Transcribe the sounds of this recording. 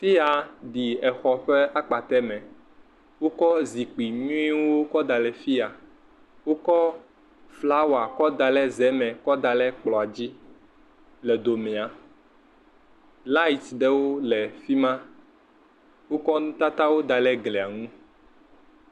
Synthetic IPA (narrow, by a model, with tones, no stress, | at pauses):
t̪i˦a˨ɖi˨ɛ˨xɔ˨ɸɛ˦a˦k͡pa˨t̪ɛ˦mɛ̃˨ | wo˦kɔ˦zi˨k͡pi˨nũ˦i˦wwo˦kɔ˦d̪a˨lɛ˨fi˦a˨ | wo˦kɔ˦ | fla˦wa˨kɔ˦d̪a˨lɛ˦zɛ˨˦mɛ̃˨kɔ˦d̪a˨lɛ˦k͡plɔ˨a˨d͡ʑi˦ | lɛ˨d̪o˨mɛ̃˨a˨ | la˦i˨t̪ɖɛ˦wo˦lɛ˨fi˦mã˦ | wo˦kɔ˦nũ˦t̪a˦t̪a˦wo˦d̪a˨lɛ˦ɡlɛ˨a˨ŋũ˦